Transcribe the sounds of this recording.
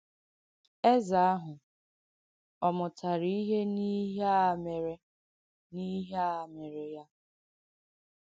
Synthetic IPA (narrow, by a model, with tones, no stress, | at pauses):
e˦za˨a˦ɦʊ˨ | ɔ˨mʊ˨tʰa˨ɾi˦i˦ɦe˦ni˦ɦme˨ɾe˦ | ni˦ɦe˦a˨me˨ɾe˨ja˦